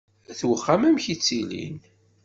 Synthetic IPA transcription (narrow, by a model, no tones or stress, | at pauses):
θwəχːamæmçit͡sːilḭn